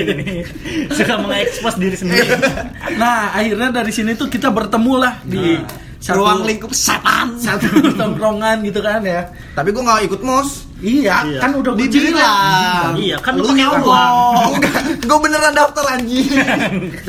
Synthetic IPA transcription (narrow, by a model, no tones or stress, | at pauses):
sukaməŋaɛkspɾɛsdiɾisəndiɾinahahirɲadaɾisinit̪ukit̪abərt̪əmulahdi | səɾoaŋliŋkusa̰p̪a̰nsat̪ut̪ɔɾoŋanɡit̪̬ukanja | t̪apiɡuaŋawikʊt̪̚mʊs | ijakanudadidila | ijakanlaŋauɔaɡuabənərandaat̚t̪əɾaɲd͡ʒi